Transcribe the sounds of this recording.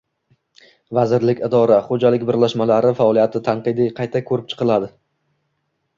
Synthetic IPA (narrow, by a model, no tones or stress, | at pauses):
vazɪɾlɪkʲɪd̪ɒɾaχod͡ʒalɪk̚ʲbɪɾlaʃmalaɾɪfaɒlˠijat̪ʰɪt̪ʰanqɨd̪iqʰɑjt̪ʰakʰɵɾɪp̚t͡ʃʰɨ̥qʰɨlˠad̪ɪ